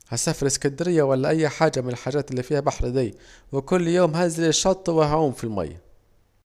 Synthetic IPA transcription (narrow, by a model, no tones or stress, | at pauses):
hasafɑɾˤɪskɪnd̪ɪɾɪjːawalːaʔajːħaːd͡ʒamɪnɪlħaːd͡ʒaːt̪ɪlːiːfiːhabaħɾd̪iːwɪkʊlːjoːmɦaːzalɪʃːɑt̪ˤːwɪhaʕuːmfilma̰jːa̰